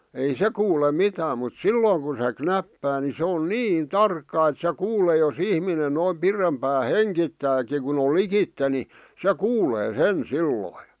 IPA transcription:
ei se kuːle mitæːm mut silːoːŋ kun̞ se knæpːæː ni se on niːn tɑrkːɑ et se kuːleː jos ihminen noim pirempæː heŋkitːæːki kun ol likitːe ni se kuːleː sen silːoi

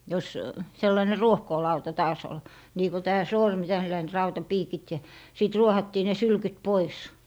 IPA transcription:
jos selːɑĭne ruohkoːlɑutɑ tɑːs ol niː ko tæː sormi tælːæin rɑutɑpiːkit jɑ siˑt ruohɑtːiː ne sylkyt pois

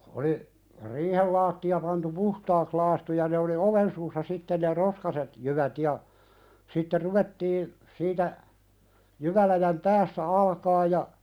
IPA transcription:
oli riːhel lɑːtːiɑ pɑntu puhtɑːks lɑːstu jɑ ne oli oʋen suːsːɑ sitːen ne roskɑset jyʋæt jɑ sitːe ruʋetːiː siːtæ jyʋælæjæm pæːsːæ ɑlkɑː jɑ

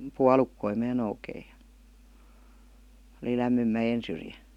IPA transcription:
puɑlukːoi mæː noukeij̆ jɑ oli læmːym mæjen̞ syrjæ

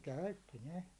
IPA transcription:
kæytːi ne

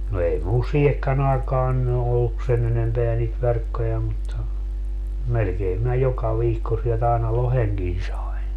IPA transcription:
no ei mul siːhekːæn ɑekɑːn ny olːuk sen enempeæ niːt ʋerkːojɑ mutːɑ melkeːm minæ jokɑ ʋiːkːo sielt ɑinɑ loheŋkin sɑi̯n

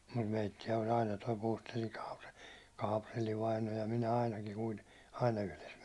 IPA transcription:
mut meitːiæ olʲ ɑinɑ toi puːstelːiŋ kɑːpre kɑːprelːi ʋɑino jɑ minæ ɑinɑkiŋ kuite ɑinɑ yhles

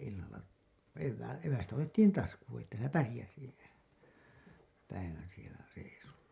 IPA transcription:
ilːɑlˑɑ eʋːæː eʋæstæ otetːiːn tɑskuːn̞ etːæ sielæ pærĭjæsi pæiʋæn sielæ reisulːɑ

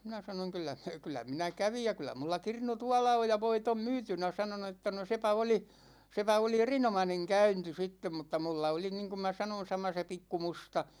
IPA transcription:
minæ sɑnoŋ kylˑæ kylˑæ minæ kæʋij jɑ kylˑæ mulːɑ kirnu tuɑlɑ oj jɑ ʋoit om myːtynæ sɑno no etːæ no sepæ oli sepæ oli erinomɑneŋ kæynti sitːem mutːɑ mulːɑ oli niːŋkum mæ sɑnon̞ sɑmɑ se pikːu mustɑ

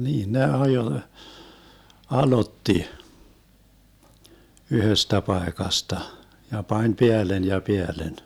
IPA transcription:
niːn ne ɑjoĭ ɑlotːi yhøstæ pɑekɑstɑ jɑ pɑnʲ peælːen jɑ peælːen

